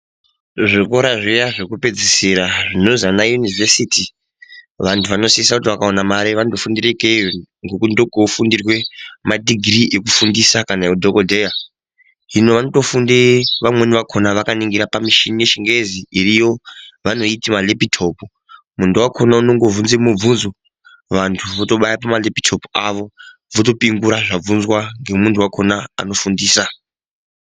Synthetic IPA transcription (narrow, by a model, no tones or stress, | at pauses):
ʐikoɾaʐijaʐekupe̞d͡zisiɾaʐino̞zanajunivesitʰi | ʋantʰuʋano̞siisakutiʋakao̞namaɾiʋanotofundirekeŋɡokundoɡʱofundirwe̞madʱiɡʱriʔek̬ufundisakanajdʱokodʱeja | ɦino̞ʋano̞to̞fundiʋamwe̞niʋakʰo̞naʋakaniŋɡiɾapamiʃinijeʃiŋɡeziirijo̞ʋano̞itimalepitʰo̞pu | muntʰuwakʰo̞nauno̞ŋɡo̞vunzemub͡vunzo | ʋantʰuʋoto̞ɓajapamalepi̥tʰo̞puaʋo̞ | ʋoto̞piŋɡuɾaʐab͡vunzwaŋɡe̞muntʰuwakʰo̞naa̰no̞fundiːsa